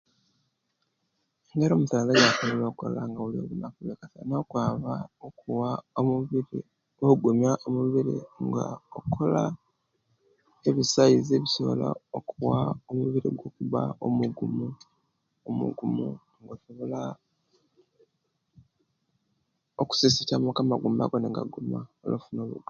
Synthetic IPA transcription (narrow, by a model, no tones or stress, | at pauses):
eŋɡeɾo̞ːmutalajafoβoloːko̰laŋɡawulio̞̰βunakuβeːkatanokwaːβaokuwaou | oɡumjaʔomuβiɾḭŋɡa̰okʰola | e̞βisaizeβisoβo̰la̰okuwaomuβiɾiɡwo̞ːkuβaomuɡumu | omṵɡumu | ŋɡosoβo̞la | oku̥sisitamukamaɡuːmba̰ɡoneŋɡaɡumao̰lofuno̞ːβṵɡa